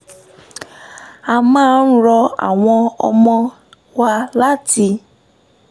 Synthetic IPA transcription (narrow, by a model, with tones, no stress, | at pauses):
a˨mãː˦n̩˦ɾɔ˧a̰˨w̃ɔ̃˧ɔ̰˧mɔ̃˧ | wa˧la˦ti˧